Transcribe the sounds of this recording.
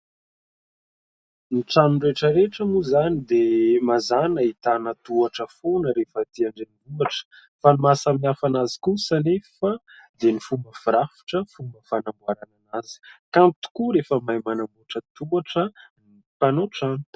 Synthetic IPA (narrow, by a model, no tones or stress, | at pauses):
niʈ͡ʂanureʈ͡ʂəɾeʈ͡ʂamuzanid̪emazanəit̪anət̪uaʈ͡ʂəfonəɾefət̪iaɳɖ͡ʐenivuaʈ͡ʂə̥ | fanimasamiafanazi̥kusanefə | d̪enifuməfiɾafi̥ʈ͡ʂəfuməfanambuaɾananaz̥i̥kamt̪u̥kuɾefəmajmanambuaʈ͡ʂət̪uaʈ͡ʂəni | panoʈ͡ʂanut̪